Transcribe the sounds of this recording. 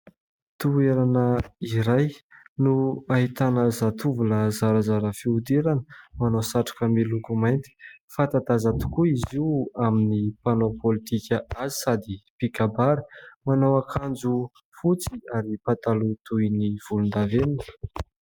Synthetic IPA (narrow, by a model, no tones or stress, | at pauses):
t̪ueɾanəiɾajnuaɦit̪anəzat̪uvuləzaɾazaɾəfiud̪iɾanəmanosaʈ͡ʂḁkəmilukumajnt̪i̥fat̪at̪azat̪u̥kuiziwaminipanopolit̪ikʲəazi̥sad̪ipikabaɾi̥manowakʰand͡zu | fut͡siaɾipat̪alut̪ujniv̥ulund̪avenin